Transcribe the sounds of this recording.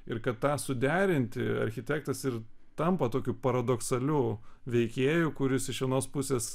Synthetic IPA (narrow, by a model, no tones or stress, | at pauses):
ɪɾkɐt̪t̪ɑːsʊd̪ʲæːɾʲɪnʲt̪ʲɪɐ̰ɾʲxʲɪt̪ʲæːk̚t̪ɐsɪɾ | t̪ɐmpɐt̪oːkʲupɐɾɐd̪oksɐlʲuːʋʲɛɪkʲeːjukʊɾʲɪsɪʃʋʲiɛnoːspʊsʲeːs